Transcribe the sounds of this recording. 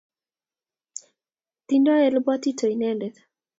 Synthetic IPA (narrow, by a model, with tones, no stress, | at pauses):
t̪indɔ˦ɛ˨lba˦t̪i˦tʰo˨i˨nɛ˦ndɛð